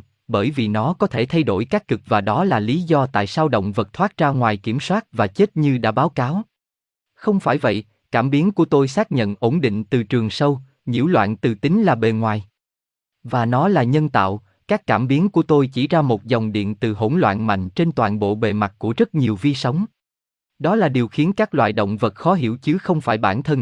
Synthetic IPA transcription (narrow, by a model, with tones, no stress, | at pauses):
ɓəː˧˩jvi˨˩nɔ˨˦kɔ˨˦t̪ʰe˧˩t̪ʰa˧jɗo˧˩jkaː˦˥kkɨ˨˩k̚vaː˨˩ɗɔ˨˦laː˨˩li˨˦zɔ˧t̪a̰ː˧˨jsaː˧wɗə̰˧˨wŋ͡mvə˨˩t̚t̪ʰwaː˦˥t̚zaː˧ŋwaː˨˩jki˧˩əmswaː˦˥t̚vaː˨˩t͡ɕe˦˥t̚ɲɨ˧ɗa̰ː˧˥ɓaː˨˦wkaː˨˦w | xə˧wŋ͡mfaː˧˩jvə̰˧˨j | kaː˧˩mɓi˨˦ənku˧˩ət̪o˧jsaː˦˥k̚ɲə̰˧˨nʔo˧˦nɗḭ̈˧˨ŋ̟t̪ɨ˨˩t͡ɕɨ˨˩əŋsə˧w | ɲḭ˧˥əwlwa̰ː˧˨nt̪ɨ˨˩t̪ï˨˦ŋ̟laː˨˩ɓe˨˩ŋwaː˨˩j | vaː˨˩nɔ˨˦laː˨˩ɲə˧nt̪a̰ː˧˨w | kaː˦˥kːaː˧˩mɓi˨˦ənku˧˩ət̪o˧jt͡ɕi˧˩zaː˧mo˨˩t̚zɔ˨˩wŋ͡mɗḭ˧˨ənt̪ɨ˨˩ɦo˧˩nlwa̰ː˧˨nma̰˧˨jŋ̟t͡ɕe˧nt̪waː˨nɓo̰˧˨ɓe˨˩ma˨˩t̚ku˧˩əzə˦˥t̚ɲi˨˩əwvi˧sə˨˦wŋ͡m | ɗɔ˨˦laː˨˩ɗi˨˩əwxi˨˦ənkaː˦˥k̚lwa̰ː˧˨jɗo̰˧˨wŋ͡mvə˨˩t̚xɔ˨˦ɦḭ˧˩əwt͡ɕɨ˨˦xə˧wŋ͡mfaː˧˩jɓaː˧˩nt̪ʰə˧n